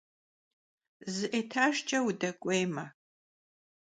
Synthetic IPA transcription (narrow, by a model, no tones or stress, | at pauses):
zɨʔetʰaːʒt͡ʃʼɐwudɐkʷʼejmɐ